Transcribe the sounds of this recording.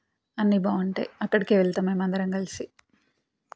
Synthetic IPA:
ɐnːibaːɐɳʈḛɐkːɐɽikeʋɛɭt̪aːmeːmɐnd̪ɐɾɐŋkɐlisi

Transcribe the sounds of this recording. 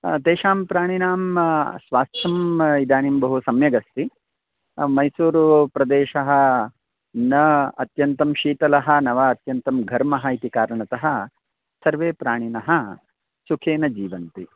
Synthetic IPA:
t̪eːʃaːmpɾaːɳ̃inaːmsʋaːst̪ʰɐmid̪aːnimbɐɦusɐmjɐɡɐst̪i | mɐjsuːɾupɾɐd̪eːʃɐɦɐ̆ | nɐɐt̪jɐnt̪ɐmʃiːt̪ɐlɐɦɐ̆nɐʋɐɐt̪jɐnt̪ɐmɡʱɐɾmɐɦɐit̪ikaːɾɐɳɐt̪ɐɦɐ̆ | sɐɾʋeːpɾaːɳ̃inɐɦɐ̆ | sukʰeːnɐd͡ʒiːʋɐnt̪i

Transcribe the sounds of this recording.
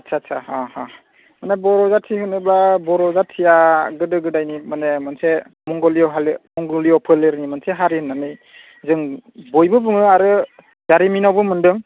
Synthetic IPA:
asʰasʰahaha | manebɔɾɔzatʰihɯnɯbabɔɾɔzatʰijaɡɯdɯɡɯdajnimanemanse | mɔŋɡɔliɔɦalmɔŋɡɔliɔpʰɯleɾnimanseɦaɾihɯnːanɯj | zɯŋbɔjbɯbɯŋɯaɾɯ | zaɾiminawbɯmɯndɯŋ

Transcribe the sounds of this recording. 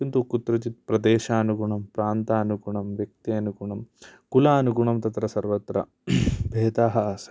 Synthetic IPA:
kint̪ukut̪ɾɐt͡ʃit̪̚pɾɐd̪eːʃaːɐnuɡuɳɐmpɾaːnt̪aːɐnuɡuɳɐmʋjɐk̚t̪iɐnuɡuɳɐmkulaːɐnuɡuɳɐmt̪ɐt̪ɾɐsɐɾʋɐt̪ɾɐ̰ | bʱeːt̪aːɦɐsɐ

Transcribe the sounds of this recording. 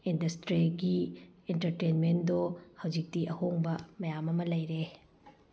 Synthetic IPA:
indɐstɾiɡientɐɾtenmendohɐwd͡ʒik̚tiʔɐhoŋbɐmɐjamɐmɐlɐjɾe

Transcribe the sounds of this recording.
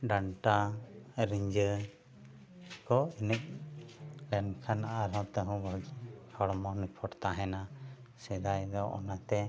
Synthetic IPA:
ɖaɳʈaɾiɲd͡ʒə | kɔinək̚ | lɛnkʰanaʔaɾɔ̃t̪ɛɦɔ̃bɔd͡ʒkʰɔɽmɔnipʰɔʈt̪aɦɛna | sɛd̪ajd̪ɔʔɔ̰nat̪ɛ

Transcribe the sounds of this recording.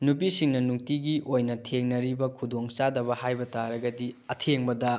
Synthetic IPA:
nupisiŋnɐnuk̚tiɡiʔojnɐtʰeŋnɐɾibɐkʰudoŋt͡ʃadɐbɐhajbɐtaɾɐɡɐdiɐtʰeŋbɐdɐ

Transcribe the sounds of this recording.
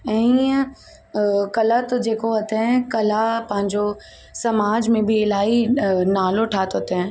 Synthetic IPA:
ɛ̃ː | kɐlat̪od͡ʑeːkoɐt̪ẽkɐlapɐ̃ɦɪ̃ɲd͡ʑo | sɐmaːd͡ʑmẽbʱiɪlaːinaːloʈʰaːt̪ot̪ẽ

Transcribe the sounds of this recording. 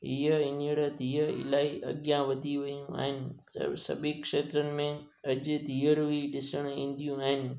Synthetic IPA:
ijəɪ̃nɽəd̪ʱiːəɪ̰laːiʔɐ̰ɠjãʋɐd̪ʱiʋɐijũa̰ːɦɪnɪ̰̆ | sɐ̰bikʃeːt̪ɾənɪ̆mẽ | ɐʄʊd̪ʱiːəɾʋiɗɪsəɽ̃əĩːnd̪ijũaːɦɪnɪ̆

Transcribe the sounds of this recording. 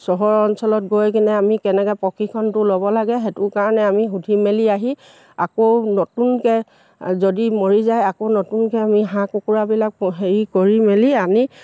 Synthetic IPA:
sɔɦɔɹɔnsɔlɔt̚ɡojkinɛamikɛnɛkɛpɔkʰikʰɔntʊlobɔlaɡɛɦetʊkaɹɔnɛamixudʱimeliaɦi | akonɔtunkɛ | zodimoɹizajakonɔtunkɛamiɦãkukuɹabilak̚ɦeɹikoɹimeliami

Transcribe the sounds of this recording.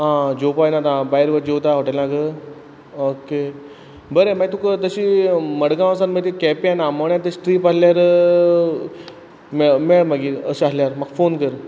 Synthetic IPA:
ɦãd͡ʑopajnat̪ãbaiɾʋəd͡ʑot̪aɦoʈəlãɡə | oke | bəɾemait̪ũkət̪əɕiːməɽɡãsanmət̪ikɛpianaməɳjãt̪əsʈɾiːpaɽljaɾ | memeɭməɡiːəɕaɦljaɾmaɡfonkəɾ

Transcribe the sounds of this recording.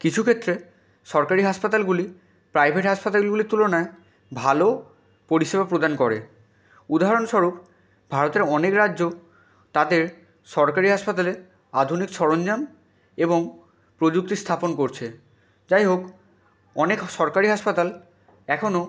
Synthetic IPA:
kit͡ɕʰukʰet̪ːɾe | ʃɔɾkaɾiɦaʃpat̪alɡuli | pɾajbʱeʈɦaʃpat̪aɡulɡulit̪ulonae | bʱalo | poɾiʃebapɾod̪ankɔɾḛ | ud̪aɦaɾonʃɔɾup | bʱaɾot̪eɾɔnekɾadːʑo | t̪ad̪eɾ | ʃɔɾkaɾiɦaʃpat̪ale | ad̪ʱunikʃɔɾond͡ʑam | eboŋ | pɾod͡ʑuk̚t̪ist̪ʰaponkoɾt͡ɕʰe | d͡ʑajɦok | ɔnekʃɔɾkaɾiɦaʃpat̪al | ɛkʰono

